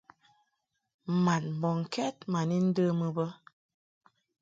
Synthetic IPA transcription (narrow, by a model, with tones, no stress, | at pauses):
ma˨nm˨bɔ˨ŋ̩˨kɛ˦t̚ma˨ni˦n̩˦də˦mə˨bə˦